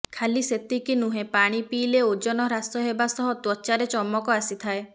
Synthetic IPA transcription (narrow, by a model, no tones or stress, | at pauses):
kʰaliset̪ikinuɦẽpaɽ̃ipiːleod͡ʒɔnɔɾasɔɦebasɔɦɔt̪wɔt͡ʃaɾet͡ʃɔmɔkɔasit̪ʰae